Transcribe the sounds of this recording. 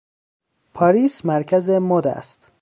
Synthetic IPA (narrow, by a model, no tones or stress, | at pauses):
pʰɒːɾiːsmæɾcʰæzemod̪æ̰st̪